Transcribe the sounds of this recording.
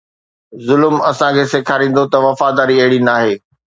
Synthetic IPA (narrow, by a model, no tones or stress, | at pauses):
zʊlmɐsãkʰeːseːkʰaːɾĩːn̆d̪ot̪ɐʋɐfaːd̪aːɾiɐɦɪɽinaːɦeː